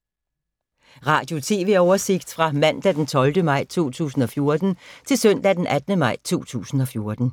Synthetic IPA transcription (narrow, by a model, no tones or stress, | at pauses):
ʁɑ̈ːd̥jo̝t͡sʰe̝ːʋe̝ɒʊɐse̝ɡ̥d̥fʁɑ̈mæn̰d̥æd̥ent͡sʰɒ̽ld̥əmɑ̈ɪ̰t͡sʰo̝̰ːt͡sʰṵːsn̩ɒ̽fjo̝ɐd̥n̩t͡sʰe̝lsøn̰d̥æd̥enʔæd̥ənəmɑ̈ɪ̰t͡sʰo̝̰ːt͡sʰṵːsn̩ɒ̽fjo̝ɐd̥n̩